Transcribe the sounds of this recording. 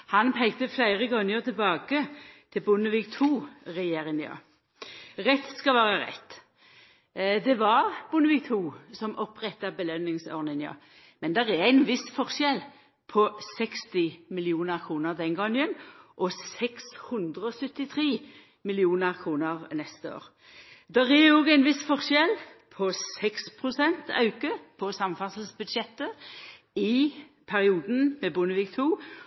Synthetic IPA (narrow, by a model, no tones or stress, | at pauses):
hɑnpʰɛɪɡt̪əflæɪʁəɡɔŋːəʁt̪ʰɪlbɑːɡət̪ʰɪlbʊnəʋikt̪ʰuːʁɛjeːɾɪnɪɑ̰ | ʁɛt̪skɑʋæːʁəʁɛ̰t̪ː | d̪ɛʋɑʁb̥ʊnəʋiːk̚t̪ʰuːsɔmʔɔpːʁɛt̪ːəbəlœnːɪŋsɔ̰ʁnɪnjɑ̰ | mɛnd̪ɛʁɛʁæɪnʋɪsfɔʁʃɛl | pʰɔsɛkst̪ɪmɪlɪuːnəʁkʰʁuːnəʁd̪ɛŋɡɔŋənʔɔsɛkshʉnd̪ʁəɔsœt̪ːɪt̪ʰʁiː | mɪlɪuːnəʁkʰʁuːnəʁnɛst̪əo̰ːʁ | d̪ɛʁɛɔɡæɪnʋɪsfɔʁʃjɛlpʰɔsɛkspʰʁʊsɛnt̪ɑ̰ʉkəpʰɔsɑmfɑsl̩sbʉd̪ʃɛt̪ːə | ɪ | pʰæʁɪuːd̪n̩mɛbʊnəʋɪkt̪ʰuː